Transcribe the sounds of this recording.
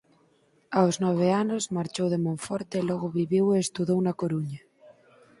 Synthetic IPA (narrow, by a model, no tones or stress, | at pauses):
awznɔβ̞eanozmaɾt͡ʃowðemõɱfɔɾt̪elɔɣoβiβiweːst̪uðownakoɾuɲa